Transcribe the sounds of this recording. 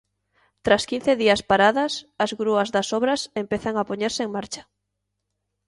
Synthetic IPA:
t̪ɾaskĩn̟θeðiɐspaɾaðɐsazɣɾuɐzðɐsɔβɾɐsempeθaŋapoɲeɾsɪeŋmaɾt͡ʃɐ̥

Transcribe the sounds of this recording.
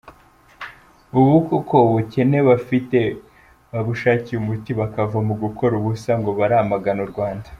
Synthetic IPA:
uβukokoβuce̞ne̞βafite̞ | βaβuʃaːciumutiβakavamuɡukʰo̞ɾuβusaŋɡo̞βaɾamaɡanuɾɡwaːndḁ

